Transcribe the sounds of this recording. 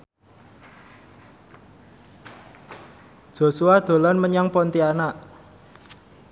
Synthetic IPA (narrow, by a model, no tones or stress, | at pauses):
d̥ʒ̥o̤suwad̪̥o̤lanməɲaŋpɔnt̪ianaʔ